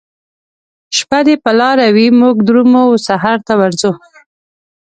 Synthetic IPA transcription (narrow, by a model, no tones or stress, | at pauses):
ʃpad̪epəlɑɾawimuɡd̪ɾumosaɦaɾt̪awaɾzo